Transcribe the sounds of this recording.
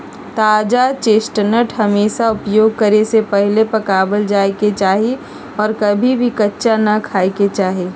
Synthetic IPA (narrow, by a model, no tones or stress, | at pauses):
t̪aːd͡ʒat͡ʃeːsʈnəʈʰɦɐmeːʃaʊpjoːɡ̚kɐɾesepɛɦlepɐkaːbəld͡ʒaːeket͡ʃaːɦi | ɔːɾkɐbʱibʱikɐtːʃanɐkʰaːeket͡ʃaːɦeː